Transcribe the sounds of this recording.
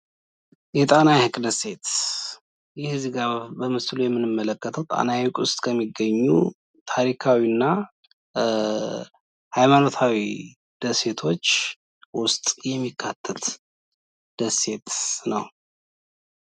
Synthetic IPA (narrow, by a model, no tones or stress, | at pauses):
jɛt̪ʼanajhɨkʼd̪əsːe̞t̪ | jɛhɨzɡabəmɨslujɛmːɨnɨmːələkʼːət̪ʰəwt̪ʼa̰najhɨkʼʊst̪ʼkʰəmːiɡːəɲːṵ | t̪ʰaɾikʰawinːa | hajmanot̪ʰawi | d̪̥əse̞t̪ʰo̞t͡ʃː | wʊst̪ʼjɛmːikʰːat̪ʰːət̪ | d̪̥əsːe̞t̪nəw